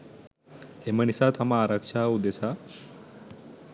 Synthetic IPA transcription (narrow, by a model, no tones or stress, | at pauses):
heməɳisat̪ʰamaɾakʂʰaud̪esa